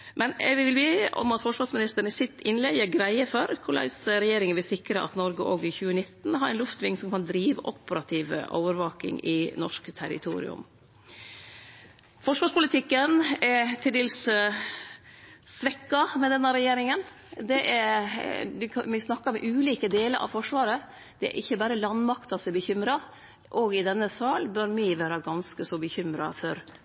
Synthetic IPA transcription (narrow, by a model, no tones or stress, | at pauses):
mʔɛnɛ̰ɡʋɪʋɪlbeːʔɔ̰mɑt̪fɔʂʋɑːɾsmɪnɪst̪əɾɳəsɪt̪ːɪnlɛɪəɡɾæɪəfɔɾkʰʊɭɑ̰ɪsɾɛjeːɾɪŋəʋɪlsɪkɾəʔɑ̰t̪nɔɾɡəʔoːɡɪçʉːənɪt̪ːn̩ɦɑɾæɪnlʉft̪ʋɪŋːsɔmkʰɑnd̪ɾiːʋə̰ʔɔpːəɾɑt̪ʰiːʋə̰ʔɔ̰ːʋəɾʋɑːkɪ̰ŋɪnɔʂkt̪ʰæɾɪ̰t̪ʰṵːɾɪ̰ʉ̰m | fɔʂʋɑːʂpʊlɪt̪ʰɪkːənɛɾt̪ʰɪld̪eːls | sʋɛkːɑmɛd̪ɛnːɑɾɛjeːɾɪŋən | d̪ɛʔæɾd̪ɪmɪsnɑkːɑɾmɛʔʉːliːkəd̪eːləɾʔɑ̰ʋfɔʂʋɑːɾə | d̪̥ɛæ̰ɾʔɪçːəbæːɾəlɑnmɑkt̪ɑsɛbəçʏmɾɑ | ʔɔɡɪd̪ɛnːəsɑːlbœɾmɪʋæːɾɑɡɑnskəsɔbəçʏmɾɑ̰fɔɾ